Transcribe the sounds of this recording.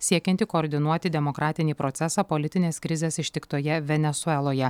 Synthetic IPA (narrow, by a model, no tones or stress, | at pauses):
sʲiɛkʲɛnʲt̪ʲikoːɾʲd̪ʲɪnuɔt̪ʲɪd̪ʲɛmokɾʔɑːt̪ʲɪnʲiːpɾɔt̪sʲɛsɑːpolʲɪt̪ʲɪnʲeːskɾʲɪzʲeːsɪʃʲt̪ʲɪkt̪oːjɛʋʲɛnʲɛsʊɛlˠoːjɛ